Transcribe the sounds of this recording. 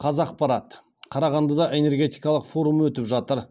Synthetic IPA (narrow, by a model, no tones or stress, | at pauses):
qʰɑzɑq̚pɑɾɑt̪ | qʰɑɾɑʁɑnd̪əd̪ɑʔe̞ne̞rɡʲe̞t̪ijkɑlˠəqfo̞ɾumwɵt̪ɪpʒɑt̪əɾ